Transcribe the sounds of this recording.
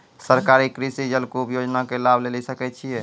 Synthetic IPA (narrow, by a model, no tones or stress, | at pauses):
səɾkaɾikɾisid͡ʒəlkoupjod͡ʒnakelabʱlelisəkɛt͡ʃʰijɛ